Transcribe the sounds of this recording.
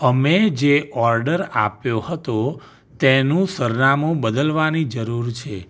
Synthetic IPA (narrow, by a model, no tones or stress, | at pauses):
əmed͡ʒeʔɔɾɖəɾa̰pjohət̪o | t̪enũsəɾnamũbəd̪əlʋanid͡ʒəɾuɾt͡ʃʰe